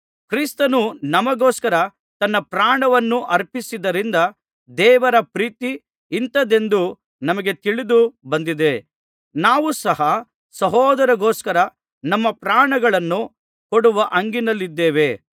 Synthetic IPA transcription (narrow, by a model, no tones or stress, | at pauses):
kɾist̪ɐnunɐmɐɡoːskɐɾɐ | t̪ɐnːɐpɾaːɳɐʋɐnːuʔɐɾpisid̪ɐɾind̪ɐ | d̪ɛːʋɐɾɐpɾiːt̪iː | nt̪ɐd̪e̞nd̪u | nɐmɐɡe̞t̪iɭid̪ubɐnd̪id̪e̞ | naːʋusɐɦɐ | sɐɦɔːd̪ɐɾɐɡoːskɐɾɐ | nɐmːɐpɾaːɳɐɡɐɭɐnːu | koɽuʋɐʔɐŋɡinɐlːid̪ːeːʋe̞